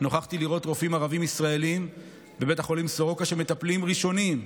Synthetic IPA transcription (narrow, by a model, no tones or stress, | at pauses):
no̞χaχt̪iliʁo̞t̪ʁo̞fimaʁavimisʁae̞lim | be̞be̞taχo̞limsoʁo̞kaʃeme̞t̪aplimʁiʃo̞nim